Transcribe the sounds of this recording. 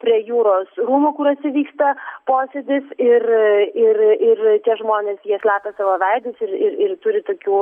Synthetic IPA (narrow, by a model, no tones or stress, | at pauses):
pʲɾʲiɛjuːɾoːsɾuːmoːkʊɾɐt̪ʲsʲɪʋʲiːkst̪ɐpoːsʲeːd̪ʲɪsɪrɪrɪrt̪ʲiɛʒmoːnʲeːsjiɛsʲlʲæːt̪ɐsɑʋoːʋʲɛɪd̪ʲɪsɪɾɪɾɪrt̪ʊɾʲɪt̪oːkʲuː